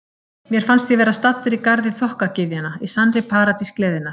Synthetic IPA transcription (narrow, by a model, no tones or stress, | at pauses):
mjɛɾ̥fanst̪θjivɛːɾast̪at̪ːʏɾikaɾðɪθɔhkacɪvjanaisanɾɪpʰaːɾat̪isklɛːðɪnaɾ̥